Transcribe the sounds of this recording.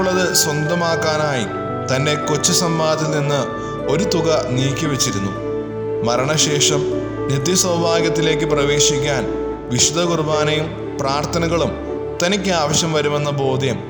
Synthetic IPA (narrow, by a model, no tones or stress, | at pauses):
ɭːɐðɨswɐnd̪ɐmaːkːaːnaːjḭ | t̪ɐnde̞kot͡ɕːɨsɐmbaːd̪ilninːɨ | o̞ɾut̪uɣɐniːkʲːɐʋet͡ɕːiɾunːu | mɐɾɐɳɐɕe̞ːʂɐm | nit̪̬jɐswɐwbʱaːɡjɐt̪ːile̞ːk̬ːɨprɐʋe̞ːɕikʲːaːn | ʋiɕud̪ʱɐɣurbaːnɐjum | praːrt̪ʰɐnɐɣɐɭum | t̪ɐnikʲːɨaːʋɐɕjɐmʋɐɾume̞nːɐbo̞ːd̪ʱjɐm